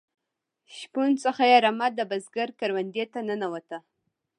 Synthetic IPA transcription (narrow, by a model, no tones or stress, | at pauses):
ʃpunsəxajeɾamat̪̚d̪əbazɡaɾkaɾwand̪et̪anənawat̪a